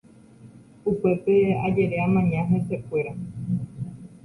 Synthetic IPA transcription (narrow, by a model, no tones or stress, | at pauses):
upe̞pe̞ad͡ʒe̞ɾeamãɲãɦese̞kʷe̞ɾa